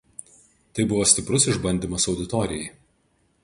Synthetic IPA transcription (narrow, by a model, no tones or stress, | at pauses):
t̪ɐɪbʊʋoːsʲt̪ʲɪpɾʊsɪʒbɐnʲd̪ʲiːmɐsɒʊd̪ʲɪt̪ɔɾʲɪjɛɪ